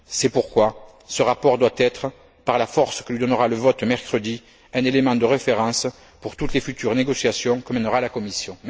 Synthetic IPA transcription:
sɛpuʁkwa | səʁapɔʁd̪wat̪ɛt̪χə | paʁlafɔʁskəlɥid̪ɔnəʁaləvɔt̪mɛʁkχəd̪i | ɛ̃nelemɑ̃d̪əʁefeʁɑ̃s | puʁt̪ut̪lefyt̪yʁəneɡɔsjasjɔ̃kəmɛnəʁalakɔmisjɔ̃

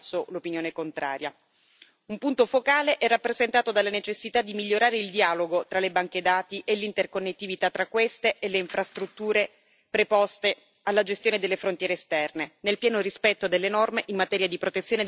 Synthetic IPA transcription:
solopinjoːnekont̪ɾʔa̰ːɾja | umpunt̪ofokaːleʔɛrːapːɾezent̪aːt̪od̪alːanet͡ʃesːit̪ad̪ːimiʎːoɾaːɾeild̪iaːloɡot̪ɾalebaŋk̟ed̪aːt̪iʔelːint̪erkonːet̪ːivit̪at̪ːɾakːwest̪eʔelːeiɱfɾast̪ɾut̪ːuːɾe | pɾepɔst̪e | alːad͡ʒest̪joːned̪elːefɾont̪jɛːɾeːst̪ɛrnenelpjɛːnoɾispɛt̪ːod̪elːenɔrmeʔimmat̪ɛːɾjad̪ipɾot̪et̪sːjoːne

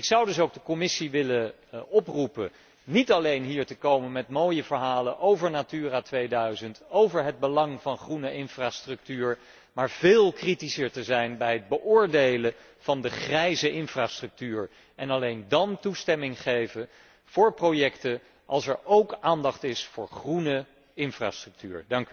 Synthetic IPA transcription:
ɪksʌwdɵsowkɡ̚dəkomɪsiʋɪlə | ɔprupə̰ | nitɑlejnɦiːɹtəkowmənmɛtmowjəvəɹɦaːlənʔowvəɹnatyːraːtʋejdœɥzəntowvəɹɦəd̚bəlɑŋvɑnχrunəʔɪnfraːstrɵk̚tyːɹ | maːɹv̥ɪːlˠkritisəɹtəzɛjnbɛjɦəd̚bəʔʊːɹdejlə | v̥ɑndəχrɛjzəʔɪnfraːstrɵk̚tyːɹ | ɛnɑlejndɑntustɛmɪŋχejvə | v̥ʊːɹprowjɛktə | ʔɑlˠsɛɹowkaːndɑχtɪsfʊːɹχrunə | ɪnfra̰ːstrɵk̚tyːɹdɑŋk

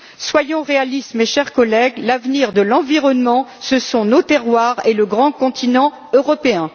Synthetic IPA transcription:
swajɔ̃ʁealist̪meʃɛʁkɔlɛɡlavniʁd̪əlɑ̃viʁɔnmɑ̃səsɔ̃not̪ɛʁwaʁeləɡʁɑ̃kɔ̃t̪ʰinɑ̃ | øʁɔpeɛ̃

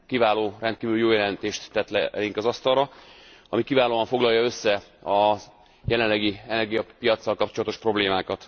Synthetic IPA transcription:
kivaːloːrɛnt̪kiːvylyjoːjɛlɛnt̪eːʃt̪ːɛt̪lɛ̰iŋkɒzɒst̪ɒrrɒɒmikivaːloːɒɱfo̞ɡlɒjɒø̞sːɛɒz | jɛlɛnlɛɡiɛnɛrɡijɒpijɒt̪sːɒlkɒpt͡ʃolɒt̪o̞ʃpro̞bleːmaːkɒt̪

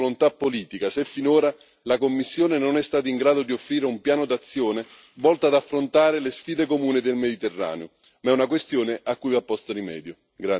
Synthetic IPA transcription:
lont̪apːoliːt̪ikasefːinoːɾa | lakomːisːjoːnenonɛst̪aːt̪aiŋɡɾaːd̪od̪iofːɾiːɾeumpjaːnʊd̪at̪sːjoːne | vɔlt̪aːd̪afːɾont̪aːɾɪlɪsfiːd̪ekomuːnɪd̪elmed̪it̪erːa̰ːneʊ | mɛunakwest̪joːneakːujapːɔst̪ʊrimɛ̰ːd̪jʊ | ɡɾa

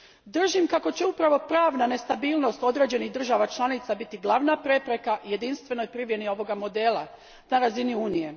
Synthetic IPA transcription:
d̪r̩ʒimkako̞t͡ɕeupɾaʋo̞pɾaːʋnane̞st̪abiːlˠno̞st̪o̞d̪ɾe̞ːd͡ʑe̞niɣd̪r̩ʒaʋat͡ʃlˠanit̪sabit̪iɡlˠaʋnapɾe̞pɾe̞kaje̞d̪inst̪ʋe̞no̞jpɾiʋjenioʋo̞ɡamo̞d̪e̞ːlˠa̰ | naɾaziniuːnije̞

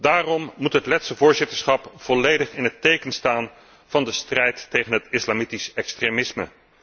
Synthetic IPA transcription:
daːrɔmːutɦətlɛtsəvʊːɹzɪtəɹsχɑpv̥ɔlejdəχɪnɦətejkənstaːn | v̥ɑndəstrɛjtːejχənɦətɪslamitisɛkstremɪsmə

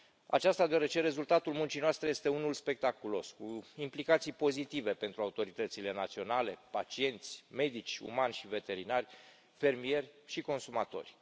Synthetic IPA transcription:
a̰t͡ʃast̪ad̪eaɾe̞t͡ʃe̞ɾe̞zult̪at̪ulmunt͡ʃinoast̪ɾejest̪e̞unulspe̞k̚t̪akulo̞skuimplikat̪sijpo̞zit̪ive̞pe̞nt̪ɾuaut̪o̞ɾit̪ət̪sile̞nat̪sio̞nale̞pat͡ʃie̞nt̪sʲme̞d̪it͡ʃʲṵmanʲʃivet̪e̞ɾinarʲ | fe̞rmije̞rʲʃiko̞nsumat̪o̞̰rʲ

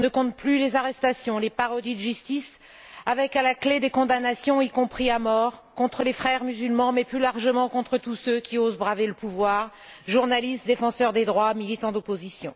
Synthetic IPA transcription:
nəkɔ̃t̪̚plylezaʁɛst̪asjɔ̃lepaʁɔd̪id̪əʒyst̪is | avɛkalakled̪ekɔ̃d̪anasjɔ̃ikɔ̃pχiamɔʁkɔ̃t̪χəlefχɛʁmyzylmɑ̃mɛplylaʁʒəmɑ̃kɔ̃t̪χət̪usøkʲiozbʁaveləpuvwaːʁ | ʒuʁnalist̪̚d̪efɑ̃sœʁd̪ed̪ʁwamilit̪ɑ̃d̪ɔpozisjɔ̃

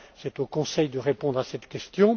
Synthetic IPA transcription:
sɛt̪okɔ̃sɛjd̪əʁepɔ̃d̪ʁasɛt̪kʲɛst̪jɔ̃

